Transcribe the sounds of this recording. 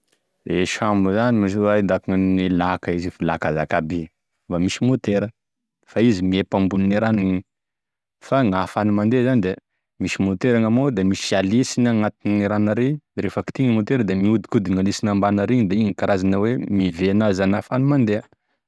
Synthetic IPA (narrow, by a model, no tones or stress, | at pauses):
eʃambuzanimisoaid̪akiŋailakəizifilakaza̰kabi | vamisimot̪eɾə | faizimiepambunineɾanaɲi | faŋafanumand̪ezanid̪e | misimot̪eɾaŋamod̪emisialisinaŋat̪inneɾanəɾeɾefəki̥t̪iŋimot̪eɾəd̪emiud̪i̥kud̪iŋalisinambanəɾiɲid̪eiŋkaɾazanəwemiveanazanafanumand̪eə